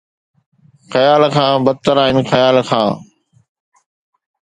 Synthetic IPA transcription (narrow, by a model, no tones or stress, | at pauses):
xəjaːlkʰãːbəd̪̚t̪əɾaːɪnxəjaːlkʰãː